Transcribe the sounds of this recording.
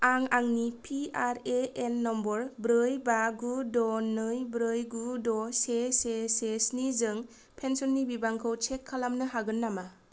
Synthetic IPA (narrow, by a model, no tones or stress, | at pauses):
aŋaŋnipʰiaɾeenːɔmbɔɾbɾɯjbaɡudɔnɯjbɾɯjɡudɔsesesesnizɯŋ | pʰensɔnːibibaŋkʰɯwt͡ʃʰekʰːalamnɯɦaɡɯnːama